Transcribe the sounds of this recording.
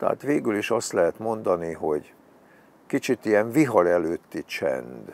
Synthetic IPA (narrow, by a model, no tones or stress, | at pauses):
t̪ɛ̰a̰ːt̪ʋeːɡyliʃɒst̪lɛɦɛt̪mo̞nd̪ɒniɦo̞ɟ | kit͡ʃit̪ijɛɱviɦɒɾɛløːt̪ːit͡ʃɛ̰nd̪